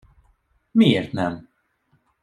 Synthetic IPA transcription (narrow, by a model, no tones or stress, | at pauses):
miːɛɾt̪nɛm